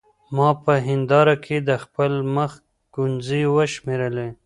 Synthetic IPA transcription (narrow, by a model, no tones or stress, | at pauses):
mɑpəɦɪnd̪ɑɾakʰed̪əxpəlməx | ɡ̥unziwəʃmeɾəle